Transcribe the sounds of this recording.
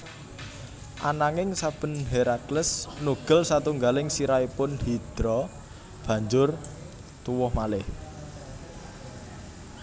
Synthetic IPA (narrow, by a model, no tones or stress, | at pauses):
ʔanaŋɪŋsab̥ə̤nɦeɾakləsnuɡ̥ə̤lsat̪uŋɡalɪŋsiɾaipʊnhid̪̥ɾɔ | b̥ä̤ɲd͡ʒʊr | t̪uwʊhmalɪh